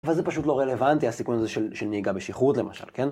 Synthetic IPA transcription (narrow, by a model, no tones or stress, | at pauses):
velzepaʃut̬loʁelevant̪iasikunazeʃelʃelniːɡabeʃiχut̪lema̰ʃa̰lken